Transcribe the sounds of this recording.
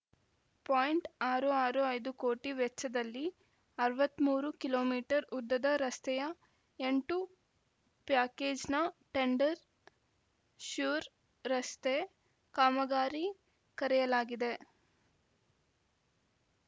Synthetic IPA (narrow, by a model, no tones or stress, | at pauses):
paːjɳʈaːɾuaːɾuɐjd̪uko̞ːʈiʋɛt͡ʃːɐd̪ɐlːi | ɐɾʋɐt̪ːmuːɾukilo̞ːmiːʈɐɾud̪ːɐd̪ɐɾɐst̪ɛjɐ | e̞ɳʈu | pjaːkeːd͡ʒnɐʈe̞ɳɖɐɾ | ʃuːɾ | ɾɐst̪e | kaːmɐɡaːɾi | kɐɾɛjɐlaːɡid̪e̞